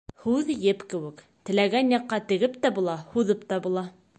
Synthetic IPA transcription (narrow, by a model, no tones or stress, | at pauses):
hʉðjɘpkɘ̆wɘ̆k | t̪ɘ̆læɡænjɑqːɑt̪ɘ̆ɡɘp̚t̪æbulˠɑhuðɤpt̪ɑbulˠɑ